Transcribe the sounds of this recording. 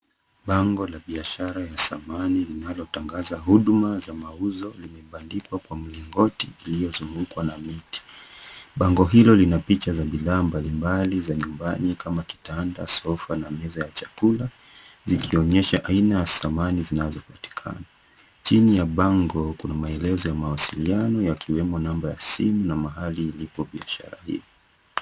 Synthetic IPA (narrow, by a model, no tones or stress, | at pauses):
ɓaŋɡɔlaɓiaʃaɾajasamanilinalɔtaŋɡazaɦuɗmazamauzɔlimɛɓandikwakwam̩liŋɡɔtiːlijɔzuŋɡukwanamiti̥ɓaŋɡɔɦilɔlinapit͡ʃazaɓiðaːmbalimbalizaɲumbanikamaki̥tanda̰sɔfanamɛzajat͡ʃakula | zikʰiɔɲɛʃaʔainajasamanizinazɔpati̥kʰa̰na | t͡ʃinijaɓaŋɡɔkunamaɛlɛzɔjamawasilianɔjakʰiwɛmɔnambaja̰simunamaɦaliːlipɔɓiaʃa̰ɾa̰hḭɔ